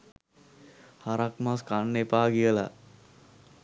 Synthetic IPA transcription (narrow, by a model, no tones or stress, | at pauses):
haɾakmaskanːepaːɡiəla̰